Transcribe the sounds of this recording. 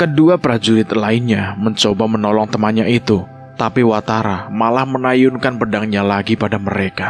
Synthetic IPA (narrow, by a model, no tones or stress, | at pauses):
kəduapɾad͡ʒuɾɪt̪laɪnɲaməɲt͡ʃobamənɔlɔŋt̪əmanɲait̪u | t̪apiwat̪aɾamalahmənajʊnkanpədaŋɲalaɡipadaməɾeka